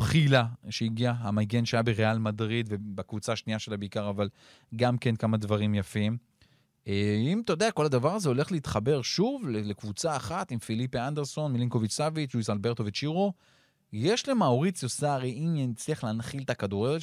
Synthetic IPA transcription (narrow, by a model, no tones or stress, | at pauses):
pχilaʃeiɡiaɦamaɡe̞nʃajabeʁealmadʁid̪vebakvut͡saʃniaʃe̞labeikaʁaval | ɡamke̞nkamad̪vaʁimjafim | eimt̪o̞d̪eako̞lad̪avaʁazeo̞le̞χleit̪χabe̞ʁʃuvlelekvut͡saːχat̪imfilipeand̪eʁso̞nmiliŋko̞vit͡ʃsavit͡ʃluisalbe̞ʁt̪o̞vet͡ʃiʁo̞ | je̞ʃlemaoʁit͡sjo̞saʁiimjent͡sliaχleːnχilt̪akad̪uʁeʁe